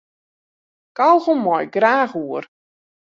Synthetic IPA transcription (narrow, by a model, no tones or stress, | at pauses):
kawɣomɔjɡraːxuər